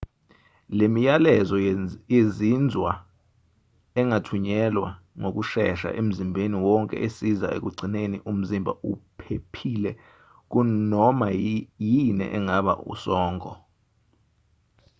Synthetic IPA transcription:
lemijalɛzɔjezind͡zʱwa | ɛŋatʰuɲɛlwa | ŋok̬uʃɛʃa̰ʔem̩zimbʱeniwɔŋkʼɛ̰ʔesizaʔḛk̬uɡ͡ǀʱinenḭʔum̩zimbʱa̰upʰepʰilɛ | k̬unɔmajinɛ̰ʔɛŋaɓa̰ṵsɔːŋkʼɔ

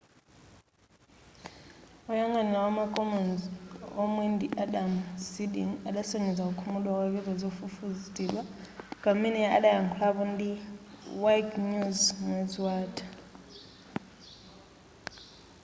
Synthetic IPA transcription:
ujaŋanawamakʼɔmɔnzomwindʱiʔaɗamsidḭnalaseŋɛd͡zaukʰumulwak̬ak̬ʼɛzɛzofufuztʼilwakʼaminɛa̰lajaŋkʰlaɓɔndiwajkɲuzŋɛzwaːtʼʰḁ

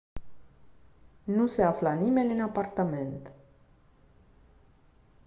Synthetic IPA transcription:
nuse̞aflanime̞nʲɨnapart̪ame̞nt̪

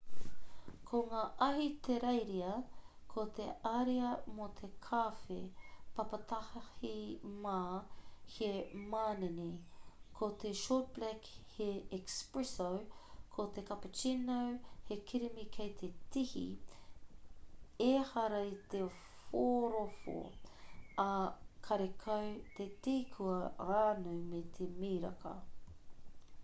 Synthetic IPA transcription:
kʰoŋaːʔɐɦit̪eɾejɾiɐ | kʰot̪eɐɾiɐmot̪ʰekʰaːfḛpɐpɐt̪ɐhhimaːhʰemaːnenekʰot̪eʃoːt̚b̥lɛkheɛkspɹɛsowkʰot̪ekɐpət͡ʃinɐwhekʰiɾimikʰejt̪ʰetihḭ | ehɐɾɐit̪e | foːɾofo̰ | ɐkʰɐɾekʰɐwt̪et̪ikʰuɐaːnujmet̪ʰemiːɾɐ̰kɐ̰

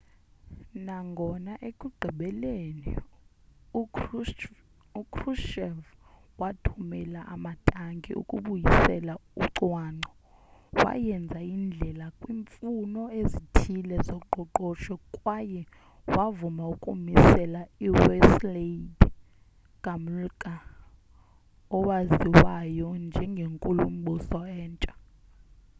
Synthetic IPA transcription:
naŋɡʱɔnaʔekʼuɡ͡ǀʱiɓɛlenḭ | u | ukʰruʃɛvwatʰumɛlaʔamatʼaŋɡʱḭʔṵkʼuɓujisɛlauǀwaːŋ͡ǀɔ | wa̰jɛnd͡zʱaind͡ɮʱɛlakʼwiːɱfunɔezitʰilɛzɔǃʱɔǃɔʃɔkʼwajɛ | wavumaukʼumisɛlaiwɛsled | ɡ̥ʼamulkʼa | ɔwaziwajɔnd͡ʒʱɛŋɡʱeŋkʼulum̩ɓʱusɔɛːnt͡ʃʼa

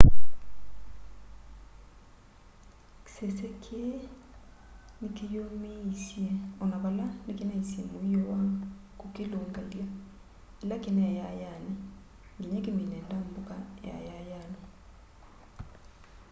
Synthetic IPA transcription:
ksesɛkʰe | nɪkɪjomeisjeɔnaβalanɪkɪnaisemoiowakukɪloŋɡaila | ilakɪnɛjajanɪ | ŋɡeɲɛkɪminɛndambʊkaja̰jajanɔ

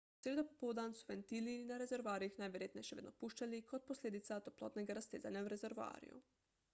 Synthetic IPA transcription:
sed̪opopod̪ansuʋent̪iliinaɾe̞zeɾʋoaːɾiixnaːjʋeɾjet̪neʃeʋed̪no̰puʃt͡ʃalikʰo̞d̪̚poslʲeːd̪it̪sat̪oplˠoːt̪neɡaɾast̪eːza̰ɲauɾezeɾʋa̰ːɾḭjṵ

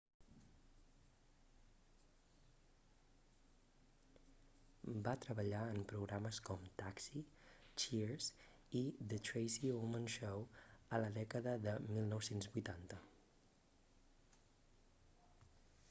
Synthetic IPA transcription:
bat̪ɾəβəʎaəmpɾuɣɾaməskɔmt̪aksit͡ʃiɾs | iðət̪ɾejsiomənʃowələðɛkəðəðəmilˠnɔwsenzbujt̪ant̪ə

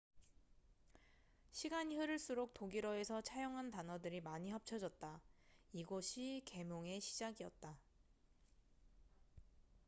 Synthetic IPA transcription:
ɕʰiɡaɲiɦɯɾɯɭs͈uɾok̚t͈oɡiɾʌe̞sʰʌt͡ɕʰajoŋɦantanʌdɯɾimaɲiɦap̚t͡ɕʰʌd͡ʑʌt̚t͈aiɡoɕʰike̞mjoŋe̞ɕʰi̥d͡ʑaɡiʌ̰t̚t͈a

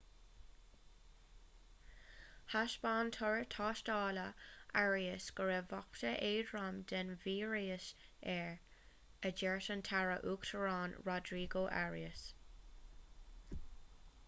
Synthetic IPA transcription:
haʃb̥ɑːnt̪ʰɔɹtʰɑːʃtɑːləʔaɹiəsɡ̥əɹeːvɔktəʔeːdɹamd̪ɛnviːɹiːəsɛɹ | əd͡ʒɛɹtəntʰaɹə̰ʔuːktʰəɹɑːnɹɔdɹiːɡoːʔa̰ɹiəs

